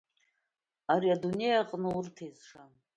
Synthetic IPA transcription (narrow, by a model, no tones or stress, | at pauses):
aɾiadunejaqʼnɨurtʰezʂan